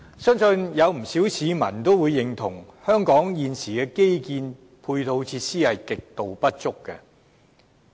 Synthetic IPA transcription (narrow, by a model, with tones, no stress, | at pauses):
sœː˥ŋsɵ˧njɐ˨˧wm̩˨˩siː˨˥wsʰiː˨˧mɐ̰˨˩nt̪o˥wuː˨˧jːɪ˨ŋt̪ʰʊ˨˩ŋhœː˥ŋkɔː˨˥ŋjiː˨nsiː˨˩kɛː˧ke˥jkiː˧n | pʰuː˧jt̪ʰo˧wt͡sʰiː˧t̚siː˥hɐ˨jkɪ˨k̚t̪o˨wpɐ˥t̚t͡sʊ˥kːɛ̰˧